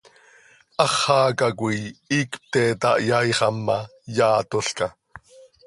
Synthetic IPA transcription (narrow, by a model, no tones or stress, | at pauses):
ʔɑχːɑːkɑkʷijiːkp̚t̪ɛːt̪ɑʔjɑjχɑmːɑjɑːt̪oɬkɑ